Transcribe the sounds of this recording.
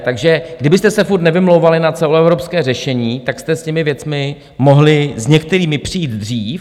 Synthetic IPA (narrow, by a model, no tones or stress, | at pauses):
t̪aɡʒɛɡdɪbɪst̪ɛsɛfuɾt̪nɛvɪmlowvalɪnat͡sɛloɛvɾopskɛːrɛʃɛɲiːt̪akst̪ɛscɛmɪvjɛt͡smɪ | moɦlɪzɲɛkt̪ɛɾiːmɪpr̝̥ɪjiːd̪d̪r̝iːf